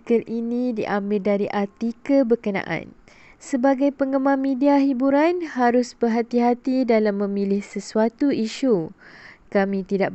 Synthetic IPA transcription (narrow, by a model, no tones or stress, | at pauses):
kəlʔinĩdiʔambɪldaɾiʔat̪ikəbərkənã̰ʔã̰n | səbaɡajpəŋəmãmediaɦibuɾanhaɾʊsbərɦat̪iɦat̪idalamːə̃milɪhsəsuat̪uiʃu | kamĩt̪idaʔ